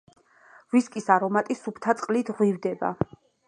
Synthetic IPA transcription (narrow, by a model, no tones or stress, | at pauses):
viskʼisaɾɔmat̪ʼisupʰt̪ʰat̪sʼqʼlit̪ʰʁwivd̪ɛba̰